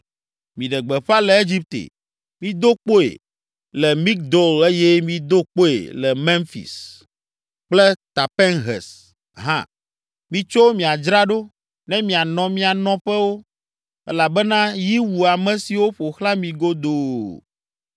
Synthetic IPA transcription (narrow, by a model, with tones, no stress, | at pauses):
mĩ˨ɖɛ˨ɡ͡bɛ˨ɸa˦lɛ˨e˦d͡ʑi˦p̚t̪ḛ˨ | mĩ˦d̪o˦k͡po˦ḛ˨ | lɛ˨mi˦k̚d̪o˦le˦jɛ˦mĩ˦d̪o˦k͡po˦ḛ˨lɛ˨mɛ̃˦nfḭ˨s | k͡plɛ˦t̪a˨pɛ˦nɦɛ̰˨s | ɦã̰˦ | mĩ˨t͡ʃo˦wo˦mĩ˨a˨d͡ʒɾa˦ɖo˦ | nɛ̃˦mĩ˨a˨nɔ̃˨mĩ˦a˨nɔ̃˨ɸɛ˦wo˦ | ɛ̰˦la˨bɛ˦nã˦ji˦wu˨a˨mɛ̃˨si˨wo˦ɸo˨xla˦mĩ˨ɡo˦d̪oː˨